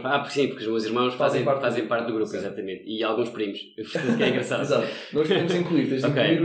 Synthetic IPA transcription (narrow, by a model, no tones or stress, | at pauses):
apuɾksĩpuɾkuʒmewziɾmɐ̃w̃ʃfazẽj̃aɾfazẽj̃paɾt̪̚ðuɣɾupuizat̪ɐmẽnt̪ialˠɣũʃpɾimuʃ | viʃt̪ẽskɛĩŋɡɾɐsaðizat̪nɔ̃ʃẽmuzĩŋklˠuiɾt̪ẽj̃mzɔ̃kejiɾ